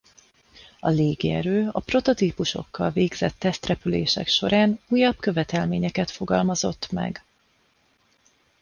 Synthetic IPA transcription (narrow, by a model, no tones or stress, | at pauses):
ɒleːɡḭɛɾøːɒpro̞t̪o̞t̪iːpuʃo̞̰kːɒlveːɡz̥ɛt̪ːɛst̪rɛpylḛːʃɛ̰kʃo̞ɾaːnuːjːɒbkø̞vɛt̪ɛlmeːɲɛkɛt̪fo̞ɡɒlmɒzo̞̰t̪ːmɛ̰ɡ